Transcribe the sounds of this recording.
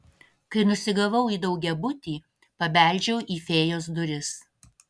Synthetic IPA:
kɐɪnʊsʲɪɡɐʋɐʊiːd̪ɒʊɡʲɛbʊt̪ʲiː | pɐbʲæˑlʲˑd͡ʒʲɛʊʔiːfʲeːjoːs̬d̪ʊɾʲɪs

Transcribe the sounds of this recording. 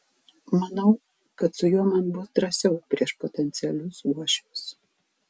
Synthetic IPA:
mɐnɐʊ | kɐt̪sʊjuɔmɐnbʊsd̪ɾɐsʲɛʊpʲɾʲiɛʃpɔt̪ʲɛnʲt̪sʲɪɛlʲʊsuɔʃʲʊʊs

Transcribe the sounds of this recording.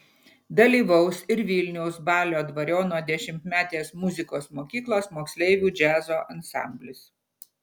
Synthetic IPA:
d̪ɐlʲiːʋɐʊsɪɾʋʲɪlʲnʲɛʊsbɑːlʲoːd̪ʋɐɾʲoːnoːd̪ʲɛʃʲɪmt̪mʲæːt̪ʲeːsmʊzʲɪkoːsmoːkʲiːklˠosmoːksʲlʲɛɪʋʲuːd͡ʒʲæːzoːʔɐnsɑ̰ˑmʲbʲlʲɪs

